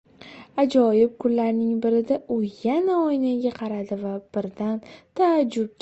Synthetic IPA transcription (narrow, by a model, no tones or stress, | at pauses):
ad͡ʒɒjɪb̚kʰʊlːaɾnɪŋbɪɾɪd̪aʔʊjanaɒjnaɡʲaqʰɑɾad̪ɪvab̥ɪɾd̪ant̪ʰaːd͡ʒːʊb̚kʲ